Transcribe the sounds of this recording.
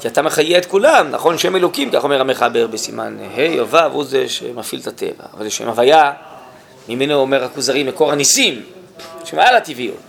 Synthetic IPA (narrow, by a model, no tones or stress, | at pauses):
kiat̪ameχajeet̪kulamna̰χo̞nʃeemelokimka̰χo̞meʁameχabe̞ʁbesima̰nhejovavuzeʃḛmafilt̪ate̞̰va̰ːvalzeʃḛmavaja | mimenoome̞ʁhakuzaʁimbekoʁhanisim | ʃemajalativiṵ